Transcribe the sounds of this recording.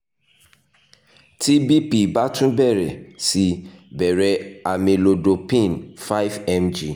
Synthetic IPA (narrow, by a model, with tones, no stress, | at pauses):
ti˦bi˦pi˦ba˦tũ˦bɛ˦˨ɾɛ˨si˧˦bɛ˨ɾɛ˧a˨mẽ˨lo˨do˨pĩ˦˨nfa˦i˦vɛ˦md͡ʒi˦˨